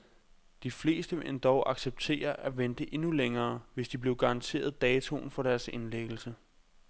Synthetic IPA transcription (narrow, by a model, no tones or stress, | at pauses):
d̥ifle̝̰ːsd̥əḛnd̥ɒʊʔɑ̈ɡ̥seb̥̚t͡sʰe̝̰ːɐʔæʋend̥əʔe̝nuleŋɐːʋe̝sd̥ib̥le̝ʊɡ̥ɑ̈ɑ̈nt͡sʰe̝̰ːɐð̞ˠd̥ɛːt͡sʰo̝̰nfɒ̽ɾ̥æɐse̝nleɡ̥l̩sə